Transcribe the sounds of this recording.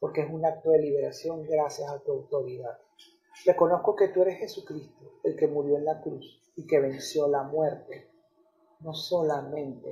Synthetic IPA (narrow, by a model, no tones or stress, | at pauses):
po̞ɾke̞esunak̚t̪o̞ðe̞liβ̞e̞ɾasjo̞ŋɡɾasjasat̪uawt̪o̞ɾiðað | re̞ko̞no̞sko̞ke̞t̪ue̞ɾe̞sxe̞sukɾist̪oe̞lke̞muɾjo̞enlakɾus | ike̞β̞e̞nsjo̞lamwe̞ɾt̪e̞ | no̞solamẽ̞nt̪e